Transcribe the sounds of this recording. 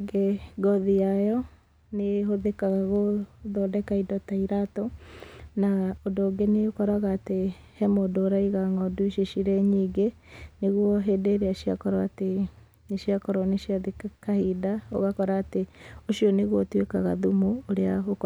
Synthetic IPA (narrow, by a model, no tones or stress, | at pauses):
ɡeɡɔðiajɔ | neɦoðekaɣaɣoðɔdɛkaidɔtaiɾatonaondoːɡeneokɔɾaɣaːte | hɛmodoːɾaiɣaŋɔduʃiʃiɾɛɲiːɡe | neɣwɔɦeːdeːɾeaʃiakɔɾaate | neʃiakɔɾɔneʃiaðekkahidao̰ɣakɔɾaːteoʃiɔneɣwɔtwekaɣaðumoːɾeaɣok